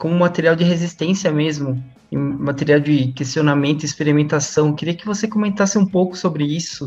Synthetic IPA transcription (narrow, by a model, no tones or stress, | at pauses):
kõmʊ̃mat̪eɾiawd͡ʒɪɦezist̪ẽsiɐmezmʊ | ḛ̃mat̪eɾiawd͡ʒɪkest͡ʃonamẽnt̪ʊɪispeɾimẽnt̪asɐ̃w̃ekɪɾiɐkɪvosekomẽnt̪asɪũpowkʊ̥sobɾɪisʊ